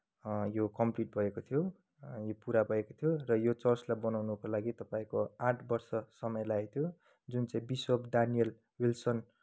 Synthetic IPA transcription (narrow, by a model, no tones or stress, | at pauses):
jokʌmpliʈ̚bʱʌekot̪ʰjo | jopuɾabʱʌekot̪ʰjorʌjot͡sʌrslajbʌnawnukolaɡit̪ʌpaĩkoãʈʰbʌrsʌsʌmʌjlajt̪ʰjo | d͡zunt͡saĩbiswʌpɖanijʌl | wilsʌn